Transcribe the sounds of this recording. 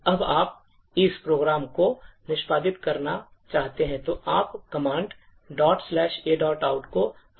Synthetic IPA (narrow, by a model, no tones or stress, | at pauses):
ɐbaːp̚ | ɪspɾoːɡɾaːmkonɪʃpaːd̪ɪt̪kɐɾnat͡ʃaːɦt̪eɦɛ̃t̪oʔaːpkɐmãːɳɖ | ɖɔːʈslɛːʃeːɖɔːʈaːʊʈko